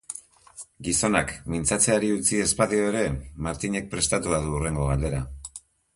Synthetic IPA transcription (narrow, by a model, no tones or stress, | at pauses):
ɡiso̞nakmint͡sat͡se̞aɾiut͡sie̞spaðio̞e̞ɾe̞maɾt̪iɲe̞k̚pɾe̞st̪at̪uað̞uure̞ŋɡo̞ɣ̞ald̪e̞ɾa